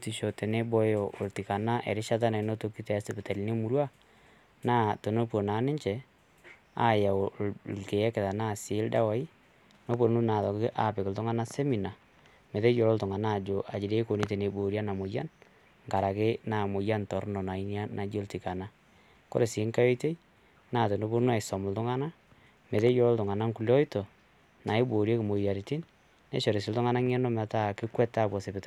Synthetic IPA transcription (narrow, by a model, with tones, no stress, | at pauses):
ti˨ʃo˨te˨ne˦bɔ˦jo˨ʔo˨lti˨ka˨na˦ʔḛ˨ɾɪ˦ʃa˦t̬a˦na˨˦no˦to˦ki˦te˨a˦se˦pɪ˨ta˨li˨˦ne˦mu˦ɾwa˦ | na˦to˨no˦po˨na˨˦nɪ˦ɲt͡ʃɛ˨ | a̰˦ja˨olke˨ɛ˦kɪ˨ða˨na˦˨sɪ˨˦lda˦wa˦i˦ | no˦po˨n˦nu˦na˨ðɔ˨kɪ˦ʔa˨pɪ˨kɪ˨ltʊ˦ŋa˦na˦se˦mi˨na˨ | me˨ðe˦jo˨lo˦ltʊ˨ŋa˨na˦˨d͡ʒo˨ʔa˨d͡ʒɪ˨de˦ko˨ni˦te˨ne˨bo˨ɾja˦na˨mo˨ja̰˦n | ŋka˨ɾa˨kɪ˦na˨mʊ˨ja˦ntɔ˨ɾnɔ˨na˨i˦nja˦na˨d͡ʒo˦lti˨ka˨na˦ | ko̰˦ɾe˨si˨˦ŋka˦jɔ˦jte˦ | naː˨to˨no˦bu˦ɾnu˦a˨sɔ˨mʊ˨ltʊ˦ŋa˦na˦ | me˨te˦jo˨lɔ˦ltʊ˨ŋa˨na˦ŋku˨ljɔ˦i˦to˨ | na˨i˦bo˨ɾje˦kɪ˨mo˨ja˨ɾi˨ti˦n | nḛ˦ʃɔ˨ɾe˨s̬ɪ˨ltʊ˦ŋa˦na˦ŋɛ˦nɔ˦ma˨ta˦˨kɪ˦kwɛ˦ta˦˨bɔ˨se˨pɪ˦tɔ˦